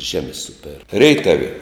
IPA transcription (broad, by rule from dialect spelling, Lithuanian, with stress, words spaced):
ˈʒʲæːmʲɪ ˈsʊpʲɛr ˈrʲɛɪtɐw